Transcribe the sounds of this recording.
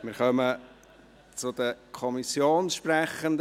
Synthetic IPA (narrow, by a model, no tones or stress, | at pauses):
mɪːɾχœmə | t͡sʊd̪əkʰɔmisjoːnʃprɛχənd̪